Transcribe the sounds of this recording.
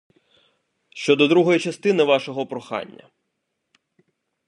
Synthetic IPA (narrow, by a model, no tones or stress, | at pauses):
ʃt͡ʃɔd̪ɔd̪ɾuɦɔjit͡ʃɐst̪ɪnɪʋɑʃɔɦɔpɾɔxɑ̰nʲːɐ̰